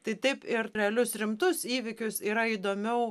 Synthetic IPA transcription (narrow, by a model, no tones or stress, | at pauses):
t̪ɐɪt̪ɐɪpɪɾɾʲɛɐlʲʊsɾʲɪmt̪ʊsiːʋʲɪkʲʊsiːɾɐiːd̪oːmʲɛʊ